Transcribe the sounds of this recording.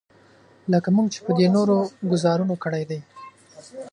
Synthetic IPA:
ləkamuɡt͡ʃe̥pəd̪enoɾoɡʊzɑɾunokəɽajd̪aj

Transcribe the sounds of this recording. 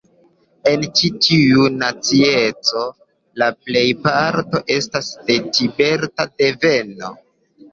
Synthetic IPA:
e̞nt͡ʃitʰiunat͡sie̞t͡so̞ | laple̞jpaɾto̞ʔe̞stasde̞tibe̞ɾtade̞ve̞no̞

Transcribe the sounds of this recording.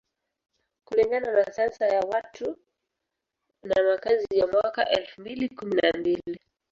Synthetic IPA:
kuliŋɡananasansajawatʰu | namakazijamwaka̰ʔɛlfumbilikuminambili

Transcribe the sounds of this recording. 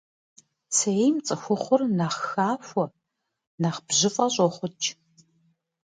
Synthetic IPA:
sʰeejmt͡sʼɨxʷʊχʷʊrnɐχxaːfʷɔ | naχb̥ʑɪfʼɐɕʼɔχʷʊt͡ʃʰʼ

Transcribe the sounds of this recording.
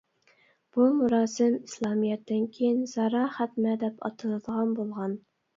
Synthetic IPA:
b̥umuɾɑːsɪmislˠɑmijɛt̪ːɪnkʲʰejɪnz̥ɑɾɑːχæt̪mɛd̪ɛpɑ̰t̪ʰɨlˠɨd̪əʁɑnbolˠʁɑn

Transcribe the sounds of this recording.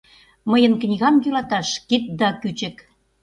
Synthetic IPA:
məjənknʲiɣɑmjylɑt̪ɑʃkit̪̚d̪ɑkyt͡ɕɘ̆k

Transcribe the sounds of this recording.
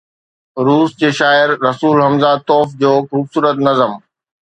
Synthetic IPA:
ɾuːsd͡ʑeːʃaːɪɾɾɐsuːlɦɐmzat̪ɔːfd͡ʑoːxuːbsuːɾət̪nɐzəm

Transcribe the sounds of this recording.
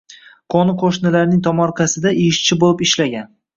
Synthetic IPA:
qʰɒnɪqʰoʃnɪlaɾnɪŋt̪ʰɒmɒɾqʰɑsɪd̪aʔɪʃt͡ʃʰɪbolɪpɪʃlaɡʲan

